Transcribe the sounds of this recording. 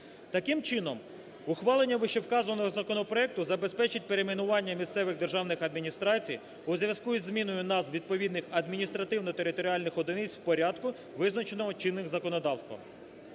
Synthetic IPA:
t̪ɐkɪmt͡ʃɪnɔm | ʊxʋɑlˠenʲːɐʋɪʃewkɑzɔnɔɦɔzɐkɔnɔpɾɔɛk̚t̪ʊzɐbe̞spɛt͡ʃɪtʲpeɾemʲinʊʋɑnʲːɐmʲist̪sɛʋɪɣd̪e̞rʒɑwnɪxɐd̪mʲinʲist̪ɾɑt͡sʲij | ʊzʲʋʲjʲɐskuizʲːmʲinɔjʊnɑzʋʲid̪̚pɔʋʲid̪nɪxɐd̪mʲinʲist̪ɾɐt̪ɪwnɔt̪eɾɪt̪ɔɾʲiɑlʲnɪxɔd̪ɔnɪt͡sʲwpɔɾʲɑd̪kʊ | ʋɪznɐt͡ʃenɔɦɔt͡ʃɪnːɪxzɐkɔnɔd̪ɑwst̪ʋɐ̰m

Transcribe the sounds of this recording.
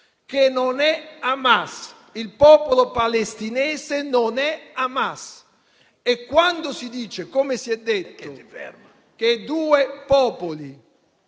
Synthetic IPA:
k̟enːonɛamas | ilpɔːpolopalest̪inɛːsenonɛamas | ekːwand̪osid̪iːt͡ʃekomesiɛd̪ːet̪ːʊ̰ | k̟ed̪uːepɔːpoli

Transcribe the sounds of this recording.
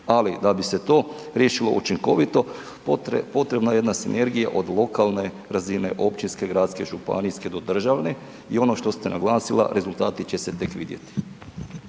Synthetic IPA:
alid̪abise̞t̪o̞ː | ɾjeʃilo̞̰ʔut͡ʃiŋko̞ʋit̪o̞ | po̞t̪ɾe̞bnaje̞d̪nasinʔe̞ɾɡijaʔo̞d̪lˠo̞kalˠne̞ | ɾazine̞ʔo̞pt͡ʃinske̞ɡɾaːt̪ske̞ʒupa̰niske̞d̪o̞d̪r̩ʒaʋne̞ | io̞no̞ʃt̪o̞st̪enʔa̰ɡlˠaːsila̰ɾe̞zulˠt̪aːt̪it͡ɕe̞se̞t̪e̞kʋḭd̪je̞̰t̪i̥

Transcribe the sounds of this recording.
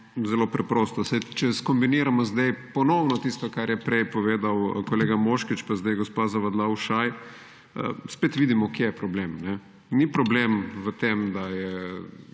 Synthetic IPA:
zɛlopɾɛpɾoːst̪ɔsajt͡ʃɛskɔmbiniːɾamɔzd̪ajpɔnɔwnɔt̪ist̪akaɾjɛpɾɛjpɔʋeːd̪awkoleːɡamoʃkit͡ʃpazd̪ajɡospazaʋad̪lawʃaj | ə̰speːt̪ʋid̪imɔkjejɛpɾɔblemnɛ | nipɾɔblemʋət̪emd̪ajɛ

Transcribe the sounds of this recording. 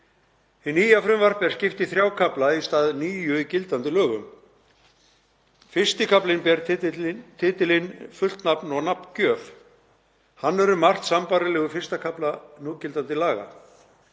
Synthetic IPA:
hɪnːiːjafɾʏmvar̥pɛɾ̥scɪft̪ɪθɾjaːwkʰaplaist̪aːðniːjʏicɪlt̪ant̪ɪlœːɣʏm | fɪr̥st̪ɪkʰaplɪnpɛɾ | t̪ʰɪːt̪ɪlɪnfʏl̥t̪napnɔɣnapncœːf | hanːɛɾʏmar̥t̪sampaːɾalɛɣʏfɪr̥st̪akʰaplanucɪlt̪ant̪ɪlaːɣa̰

